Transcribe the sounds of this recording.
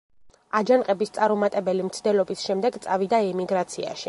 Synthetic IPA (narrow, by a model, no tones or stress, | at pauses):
ad͡ʒanqʼɛbist̪sʼaɾumat̪ʼɛbɛlimt̪sʰd̪ɛlɔbisʃɛmd̪ɛɡt̪sʼavid̪aɛmiɡɾat̪sʰia̰ʃi